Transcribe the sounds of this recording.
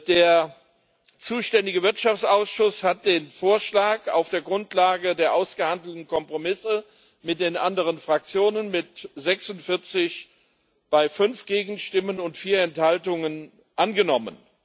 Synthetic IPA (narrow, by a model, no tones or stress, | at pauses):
d̥eːɐ | t͡suːʃtɛndɪɡəvɪɐtʃaft͡sʔaʊsʃʊshat̚d̥eːnfoːɐʃlaːka̰ʊfd̥eːɐɡʁʊntʰlaːɡədeːɐʔaʊsɡ̥əhandl̩tn̩kʰɔmpʁ̥omɪsə | mɪt̚d̥eːnʔandəʁ̞ənfʁ̥ak̚t͡sjoːnənmɪtzɛksʊntfɪɐt͡sɪç | b̥aɪfʏnfɡ̥eːɡŋ̩ʃtɪmənʊntfiːɐɛnthaltʊŋən | ʔanɡənɔmə̰n